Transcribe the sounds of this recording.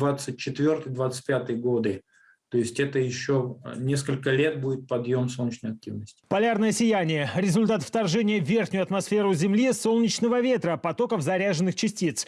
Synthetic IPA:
vat̪sɨt̚ʲt͡ɕːɪt̪vʲo̞rt̪ɨjd̪vat̪sɨ̥t̚ʲpʲat̪ɨjəɡo̞d̪ɨ | t̪o̞jɪsʲtʲɛt̪əjɪɕːonʲeskəlʲkəlʲet̪̚budʲɪt̪̚pɐd̪jo̞msolˠnʲɪt͡ɕnəjɐk̚tʲivnəsʲtʲɪ̥pɐlʲarnəjəsʲɪjænʲɪjəɾʲɪzʊlʲt̪at̪ft̪ɐrʐɛnʲɪjəvʲːe̞rxnʲʊjʊɐt̪mɐsfʲe̞ɾʊzʲɪmlʲisolˠnʲɪt͡ɕnəvəvʲe̞t̪ɾəpɐt̪o̞kəfzɐɾʲaʐɨnːɨxt͡ɕɪsʲtʲit̪s

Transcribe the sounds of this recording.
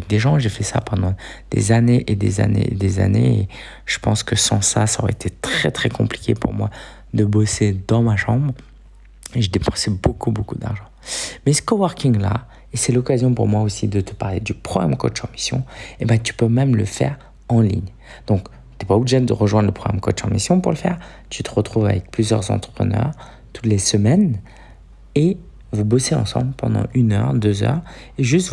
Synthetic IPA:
ɛk̚d̪eʒɑ̃ʒefɛsa̰pɑ̃d̪ɑ̃d̪̥ḛzaneʔed̪ḛza̰nḛḛd̪eza̰nḛe | ʒ̥əpɑ̃skəsɑ̃sasaɔ̰ʁɛet̪ʰet̪χɛt̪χɛkɔ̃pli̥kʲepuʁmwa | d̪əbosed̪ɑ̃maʃɑ̃bʁ | eʒəd̪epɑ̃sɛbokubokud̪a̰ʁʒɑ̃mɛsə̥kɔwɔʁkʲiŋla̰ | esɛlɔkazjɔ̃puʁmwaosid̪ət̪ə̥paʁled̪ypχɔamkɔt͡ʃɑ̃misjɔ̰̃ebɛ̃t̪y̥pømɛmləfɛ̰ʁ | ɑ̃lḭɲ | d̪̥ɔ̃k | t̪yɛpaobliʒed̪ə̰ʁəʒwɛ̃nd̪ləpχɔɡamkɔ̰t͡ʃɑ̰̃misjɔ̃puʁləfɛ̰ʁ | t̪yt̪əʁət̪χuva̰vɛk̚plyzjœ̰ʁzɑ̰̃t̪χə̥pχə̰nœ̰ʁ | t̪u̥t̪lesəmɛn | e | vubɔseɑ̰̃sɑ̰̃blpɑ̃d̪ɑ̰̃ʔynœ̰ʁd̪øzœ̰ʁeʒyst̪

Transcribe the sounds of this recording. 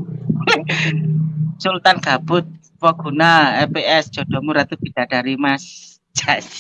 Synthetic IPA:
sult̪anɡ̥a̤b̥ʊ̤t̪̚ | pɔɡ̥unaɛpeʔɛsd̥ʒ̥ɔ̤d̥ɔ̤muɾat̪ub̥i̤d̪̥aɖ̥aɾimas | d͡ʒ̥a

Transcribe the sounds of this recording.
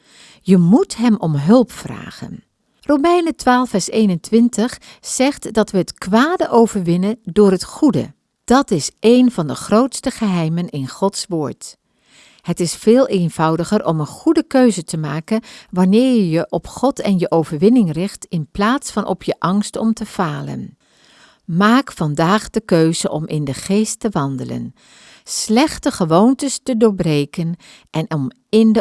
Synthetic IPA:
jəmutɦɛmɔmɦɵlˠpfra̰ːχə̰n | rowmɛjnətʋaːlˠfɛɹsejnəntʋɪntəχz̥ɛχtdɑtʋəɦətkʋaːdəʔowvəɹʋɪnədʊːɹɦətχudə̰ | d̥ɑtɪsʔejnvɑndəχrowtstəχəɦɛjmənɪnχɔtsʋʊːɹt | hətɪsfɪːlˠʔenv̥ɑwdəχərʔɔmənχudəkøɥzətəmaːkənʋɑnɪːɹjəjəʔɔpχɔtɛnjəʔowvəɹʋɪnɪŋrɪχtɪnplaːtsfɑnʔɔ̰pʰjəʔɑŋstɔmtəv̥aːlə̰n | maːkfɑndaːχd̥əkøɥzəʔɔ̰mʔɪndəχejstəʋɑndələ̰n | slɛχtəχəʋowntəstədʊːɹbrejkən | ʔɛnɔm | ɪndə

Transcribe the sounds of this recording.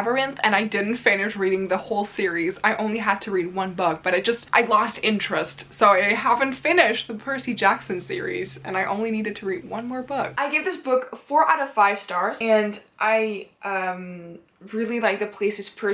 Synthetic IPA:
və˞ɨ̃nθɨ̰̃naɪdɪdⁿn̩tfɪnɨʃɹiɾɪ̃ŋðəhoʊlˠsɪɹizaɪʔõʊ̃nliɦəd̚tʰɨɹid̚wʌ̃nbʊk̚b̥ʌɾaɪd͡ʒʌstʔaɪlɔstɪ̃nt͡ʃɹ̥ɨstsoʊaɪɦævɨ̃ntfɪ̃nɪʃðəpʰɜ˞sid͡ʒæksɨ̃n̩sɪ̰ɹḭz̥ɨ̰̃naɪʔõ̰ʊ̃nliniɾɨd̚tʰɨɹid̚wʌ̃nmɔɹbʊk̚aɪɡeɪvðɪsb̥ʊkfɔɹʔaʊɾʌv̥faɪv̥stɑɹz̥ɨ̃nʔaɪʔʌ̃m | ɹɪlˠilaɪk̚ðɨpʰl̥eɪsɨz̥pʰɜ˞

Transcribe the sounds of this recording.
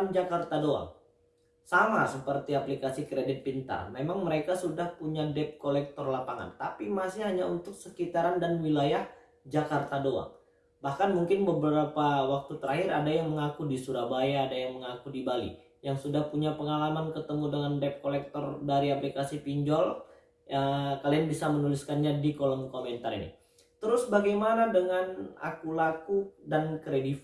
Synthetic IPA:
nd͡ʒakart̪adoa̰ŋ | samasəpərt̪iaplikasikɾedɪt̪̚pint̪a̰rmemaŋməɾekasudahpuɲadɛp̚kolɛk̚t̪ɔrlapaŋa̰nt̪apimasɪhɦaɲaunt̪ʊk̚səkit̪aɾandanwilajah | d͡ʒakart̪adoa̰ŋ | bahkanmuŋkɪnbəbəɾapawak̚t̪ut̪əɾaɦɪɾadajaŋməŋakudisuɾabajaːdajaŋməŋakudibalḭ | jaŋsudahpuɲapəŋalamankət̪əmudəŋandɛp̚kolɛk̚t̪ɔrdaɾiaplikasipiɲd͡ʒɔl | əkalianbisamənuliskanɲadikolɔmkomɛnt̪aɾḭnḭ | t̪əɾʊsbaɡajmanadəŋana̰kulakudankɾedif

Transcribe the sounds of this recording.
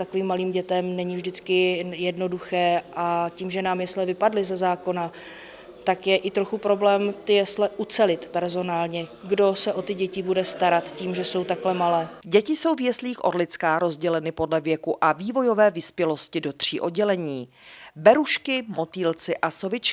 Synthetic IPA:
t̪akoviːmːaliːmɟɛt̪ɛmnɛɲɪvʒdɪt͡skɪjɛdno̞duxɛːʔaciːmʒɛnaːmjɛslɛvɪpadlɪzɛzaːko̞na | t̪akjɛʔɪt̪ɾoxupɾo̞blɛːmt̪ɪjɛslɛʔut͡sɛlɪt̪pɛɾzo̞naːlɲɛɡdo̞sɛʔo̞t̪ɪɟɛcɪbudɛst̪aɾat̪ciːmʒɛso̞wt̪aklɛmalɛːɟɛcɪso̞wvjɛsliːxʔoɾlɪt͡skaːɾo̞zɟɛlɛnɪpo̞dlɛvjɛkuʔaviːvo̞jo̞vɛːvɪspjɛlo̞scɪdo̞t̪r̝̥ḭːʔo̞d̚ɟɛlɛɲiː | bɛɾuʃkɪmo̞t̪iːlt͡sɪʔasovɪt͡ʃ

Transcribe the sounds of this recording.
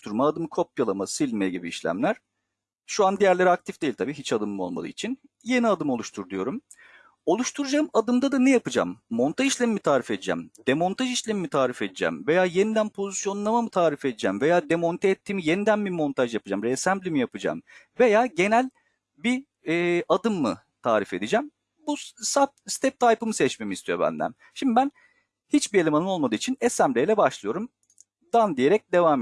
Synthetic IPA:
t̪ʰuɾmaːd̪ɯmkʰo̞p̚jalˠamasilʲmɛɟibḭːʃlʲæ̰mlʲæɾ̥ | ʃuand̪ijæɾlʲeɾiak̚t̪ʰifd̪̥e̞jilʲt̪ʰabiːɦit͡ʃad̪ɯmmo̞lˠma̰d̪ˠɯ̰it͡ʃʰin | je̞niad̪ɯmo̞lˠuʃt̪ʰuɾd̪ujo̞̰ɾum | o̞lˠuʃt̪ʰuɾud͡ʒamad̪ɯmd̪ad̪anejapɯd͡ʒa̰mːo̞nt̪ʰaiʃlʲemimit̪ʰaːɾifed̪id͡ʒæ̰md̪̥e̞mo̞nt̪ʰaʒiʃlʲemimit̪ʰaːɾifed̪id͡ʒæ̰mve̞jaːje̞nid̪ænpʰo̞zisjo̞nlˠamamɯt̪ʰaːɾife̞d̪id͡ʒæmve̞jaːd̪e̞mo̞nt̪ʰeɛt̪ʰːiːmije̞nid̪ænbimo̞nt̪ʰaʒjapɯ̥d͡ʒamɾesæmblʲimijapɯd͡ʒa̰mve̞jaːɟe̞nælʲ | biː | ʔad̪ɯmːɯ̰ | t̪ʰaːɾife̞d̪id͡ʒæm | busap̚st̪ʰɛp̚t̪ʰajpɯmɯsɛt͡ʃme̞mist̪ʰyjo̞̰bæ̰nd̪æ̰n | ʃimd̪ibæn | hit͡ʃbiɾelʲimanɯmo̞lˠmad̪ɯːit͡ʃʰinɛsæmblʲejlʲɛbaʃlˠɯjo̞ɾum | d̪and̪ije̞ɾɛc̚d̪e̞vaːm

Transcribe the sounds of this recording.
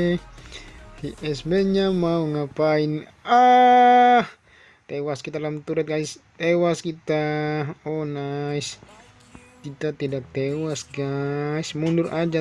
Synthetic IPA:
hiʔɛsbeɲamauŋapaina | h | t̪ewaskit̪alamt̪uɾat̪̚ɡais | t̪ewaskit̪aɔnais | kit̪at̪idak̚t̪ewasɡaismundʊrad͡ʒa

